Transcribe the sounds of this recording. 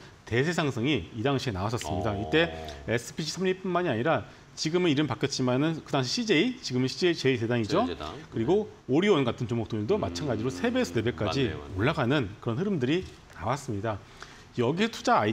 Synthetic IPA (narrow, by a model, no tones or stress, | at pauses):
te̞sʰe̞sʰaŋsʰʌŋiːdaŋɕʰienawas̬͈ʰʌsɯmɲidait͈e̞esʰɯ̥pʰiɕʰi̥sʰʌmɲip͈unmaɲiaɲiɾa | t͡ɕiɡɯmɯniɾɯmpak͈et͡ɕ͈imanɯnkɯdaŋɕʰiɕʰid͡ʑeit͡ɕiɡɯmɯnɕʰid͡ʑeit͡ɕe̞ite̞daŋid͡ʑokɯɾiɡooɾiwʌnɡatʰɯnt͡ɕoŋmokt͈oindomat͡ɕʰanɡad͡ʑiɾosʰe̞be̞sʰɯde̞be̞k͈ad͡ʑioɭːaɡanɯnkɯɾʌnɦɯɾɯmdɯɾi | nawas͈ɯmɲida | jʌɡisʰʌtʰud͡ʑa